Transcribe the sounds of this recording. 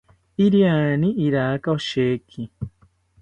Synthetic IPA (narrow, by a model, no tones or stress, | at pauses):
iɾianĩʔiɾakaoʃekʰi